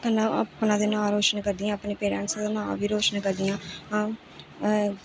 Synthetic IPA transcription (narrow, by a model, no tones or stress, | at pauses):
pəlãːəpnãːd̪eːnãːɾoːt͡ʃənkəɾd̪ɪjãːəpneːpeːɾɛ̰̃ːnsãd̪aːnãːʋiːɾoːt͡ʃnkəɾd̪ɪjãːãː